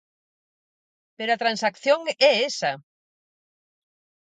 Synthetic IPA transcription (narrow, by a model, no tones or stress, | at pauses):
peɾoat̪ɾansakθjoŋɛesɐ